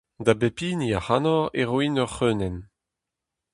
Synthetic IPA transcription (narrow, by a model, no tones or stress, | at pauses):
d̪abepiːniahanɔʁeʁwinœʁχøːnɛn